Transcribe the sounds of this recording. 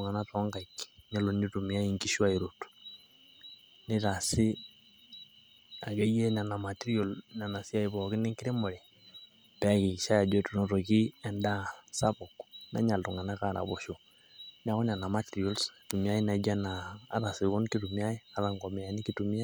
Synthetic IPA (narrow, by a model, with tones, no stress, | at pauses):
ŋa˨na˦tɔ˦ŋka˨i˨kɲa˦lo˨ɲi˦tu˨m˨a˦i˨ŋki˦ʃa˦i˨ɾo˨tu̥˨ | nɪ˦ta˨sɪ˦ | a˨ɡe˦je˦na˨na˨ma˨ti˦ɾi˦o˨lna˨na˨si˦a˦i˨βɔ˨kɪ˦nɪ˦ŋki˦ɾe˦mɔ˨le˨ | pɛ˦a˨ki˨kʃa˦ja˨d͡ʒwe˦tu˨no˦to˨ki˦ɛ˨nda˦sa˦bo˨kuna̰˦ɲa˨ltu˨ŋa˨na˦ka˦˨ɾa̰˨βo˨ʃo˨ | na˦kɔ˦na˨na˨ma˦ti˨ɾi˨o˦lstu˨mi˦a˦i˦na˨d͡ʒa˦na̰ː˨˦ɾa˨si˨ko˦nki˦tu˨mi˦a˦i˦a˦ɾa˨ŋɡɔ˨mi˨a˨ni˦ki˦tu˨mi˦a˦